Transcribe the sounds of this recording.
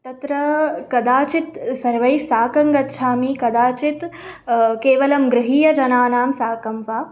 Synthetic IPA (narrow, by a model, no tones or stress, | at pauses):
t̪ɐt̪ɾɐkɐd̪aːt͡ʃit̪sɐɾʋɐjsaːkɐŋɡɐtːʃʰaːmiːkɐd̪aːt͡ʃit̪ | keːʋɐlɐmɡɾɨɦiːjɐd͡ʒɐnaːnaːmsaːkɐmʋaː